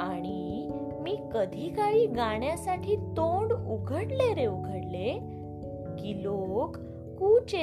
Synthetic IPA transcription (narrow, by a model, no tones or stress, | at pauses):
aɽ̃i | miːkəd̪ʱikaɭiːɡaɳjasaʈʰiːt̪oɳɖuɡʱəɽleɾeuɡʱəɽle | ɡilok | kuːt͡ɕe